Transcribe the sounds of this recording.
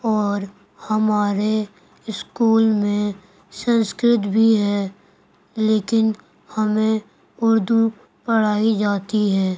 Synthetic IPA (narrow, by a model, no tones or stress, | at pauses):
ɔːɾ | hɐmaːɾe | ɪskuːlmẽ | sə̃nskɾɪt̪bʱiɦɛː | leːkɪn | hɐmẽ | ʊɾd̪u | pəɽ̤aːid͡ʒaːt̪iɦɛː